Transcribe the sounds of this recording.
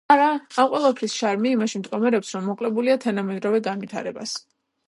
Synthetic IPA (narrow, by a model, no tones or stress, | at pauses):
aɾaːmqʼwɛlˠapʰɾisʃaɾmiːmaʃimt̪ʼkʼɔmɛɾɛpsɾɔmːɔqʼlɛbuliat̪ʰanamɛd̪ɾɔvɛɡanvit̪ʰa̰ɾɛba̰s